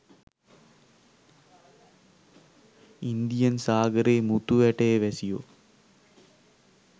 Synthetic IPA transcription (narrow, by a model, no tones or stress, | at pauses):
ind̪ijɐnsaːɡɐɾeːmut̪uʋɛʈeːʋesijo̰